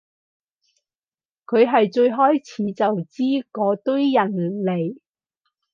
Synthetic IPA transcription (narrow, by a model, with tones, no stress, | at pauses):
kʰɵ˨˧ɥɦɐ˨jt͡ʃɵ˧ɥɦɔː˥jt͡sʰiː˨˧t͡sɐ˨wt͡siː˥kɔː˨˧t̪ɵ˥ɥjɐ˨˩nle˨˩j